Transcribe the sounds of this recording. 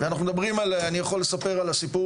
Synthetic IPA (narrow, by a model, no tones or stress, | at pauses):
veanaχnumed̪abʁimalanijaχo̞lːe̞sapeʁalasipu